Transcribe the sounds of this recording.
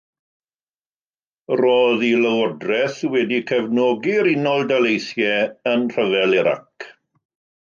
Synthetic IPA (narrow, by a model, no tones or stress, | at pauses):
roːðiləwɔdrɛθwɛdikʰɛvnɔːɡiɾɪnɔlˠdalejθjɛənr̥əvɛlɪɾa̰k